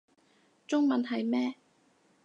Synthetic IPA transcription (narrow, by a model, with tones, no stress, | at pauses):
t͡sʊ˥ŋmɐ˨nɦɐ˨jmɛː˥